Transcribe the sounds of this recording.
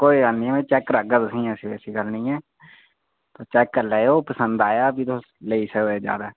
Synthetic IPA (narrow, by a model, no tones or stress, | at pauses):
koːiːɡəlniːɛːmɛ̃ːt͡ʃɛːkɾəɡət̪əsĩːɛ̃ːsiːbɛːsiːɡəlnĩːɛː | t̪oːt͡ʃɛːkːəɾlɛːoːpəsənd̪aːjaːbiːt̪oː | ləiːsəkd̪eːd͡ʒja̰ːd̪aː